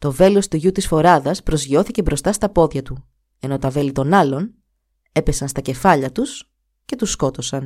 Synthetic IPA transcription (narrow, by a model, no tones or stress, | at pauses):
t̪o̞ve̞lo̞st̪uʝut̪isfo̞ɾɐðɐspɾo̞zʝio̞θice̞bɾo̞st̪ɐst̪ɐpo̞ðʝɐt̪u | e̞no̞t̪ɐve̞lit̪o̞nɐlo̞n | e̞pe̞sɐnst̪ɐce̞fɐʎɐt̪us | ce̞t̪usko̞t̪o̞sɐn